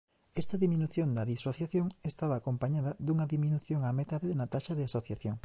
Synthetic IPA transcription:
ɛst̪ɐðiminuθjond̪ɐðisoθjaθjoŋest̪aβɐːkompaɲaðɐd̪uŋɐðiminuθjoŋamet̪aðenɐt̪aʃɐðɪasoθjaθjoŋ

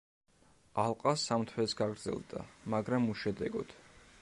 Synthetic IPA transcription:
alˠqʼasamt̪ʰwɛsɡaɡɾd̪zɛ̰lˠd̪a̰maɡɾamuʃɛd̪ɛɡɔ̰d̪̥

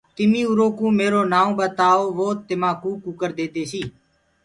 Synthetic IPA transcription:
t̪ɪmĩːʊɾoːkũːmeːɾoːnaːõːɓət̪aːoːʋoːt̪ɪmãːkũːkukəɾd̪eːd̪eːsiː

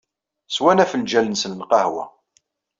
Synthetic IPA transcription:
swænæfəld͡ʒælənsənlqɑhwæ̰

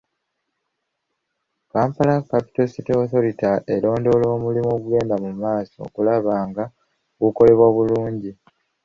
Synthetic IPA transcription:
kaːmpalakːapi̥to̞siteoθolitaʔe̞lo̞ːndo̞ːlo̞ːmulimo̞ɡwe̞ːndamumaːsoo̰kulaβaːŋɡa | ɡuko̞le̞βwaβuluːɲɟi

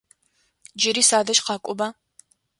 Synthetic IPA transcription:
d͡ʒɪɾiːsaːdɐʃqɑːkʷʼʊbaː

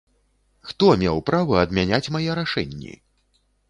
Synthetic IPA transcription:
xt̪ɔmʲɛwpɾavɨɐd̪mʲanʲat͡sʲmajɛɾaʂɛ̰nʲːḭ

